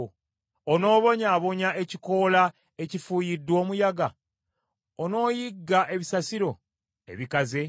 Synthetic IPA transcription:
ono̞ːβo̞ɲaːβo̞ɲae̞ciko̞la | e̞cifuːjidːwo̞ːmujaɡa | ono̞ːjiɡːaʔe̞βisasiɾo̞ | e̞̰βikaze̞

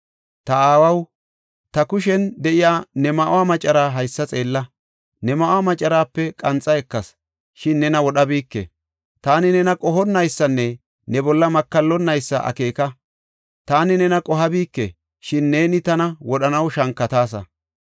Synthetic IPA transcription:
t̪ɐaːwɐw | t̪ɐkʊʃɛnd̪ɛʔɪjaːnɛmɐʔʊwaːmɐt͡ʃʼːɐɾaːɦɐjsːɐt͡sʼe̞ːlːɐ | nɛmɐʔʊaːmɐt͡ʃʼːɐɾaːpːɛkʼɐnt͡sʼːɐɛkːɐs | ʃɪnːɛnɐwɔɗɐbiːkːɛ̰ | t̪aːnɪnɛnɐkʼɔɦɔnːɐjsːɐnːɛ | nɛbɔlːɐmɐkːɐlːɔnːɐjsːɐ̰ʔɐ̰ke̞ːkɐ | t̪aːnɪnɛnɐkʼɔɦɐbiːkːɛ | ʃɪnːe̞ːnɪt̪ɐnɐwɔɗɐnɐwʃɐŋkːɐt̪aːs̬ɐ̰

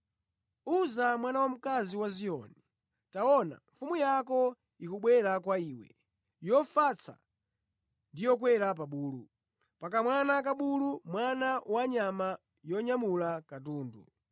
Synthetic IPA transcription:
uzamwanawam̩kaziwazijɔ̰ni | taɔna̰ɱfumujakɔ | ikuɓwɛɾakwaiːwɛ̰ | jɔfat͡sʰa̰ | ndijɔk̬wɛɾap̬aɓuːlu | pak̬amwanak̬aɓulumwanawaɲama | jɔɲamulakat̬uːndṵ

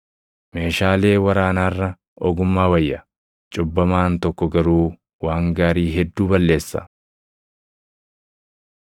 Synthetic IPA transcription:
me̞ːʃaːle̞ːwɐɾaːnaːrːɐ | ʔɔɡʊmːaːwɐjːɐ | t͡ʃʼʊbːɐmaːnt̪ɔkːɔɡɐɾuː | waːŋɡaːɾiːɦɛd̪ːuːbɐlːe̞ːsːɐ̰

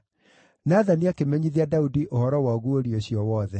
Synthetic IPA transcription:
naðaniakemɛɲiðiadaudiʔohɔɾɔwaɣuoɾioɕjɔwɔðɛ

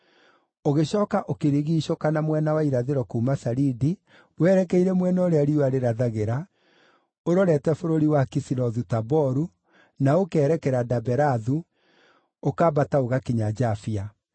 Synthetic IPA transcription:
oɣeɕɔːkaʔokeɾiɣiːɕokanamwɛnawaiɾaðeɾɔkuːmasaɾidi | wɛɾɛkɛiɾɛmwɛnɔoɾeaɾiwaɾeɾaðaɣeɾa | oɾɔɾɛtɛfoɾoɾiwakisiɾɔðutabɔɾu | naokɛːɾɛkɛɾadabɛɾaðu | okaːbataoɣakiɲad͡ʒafia

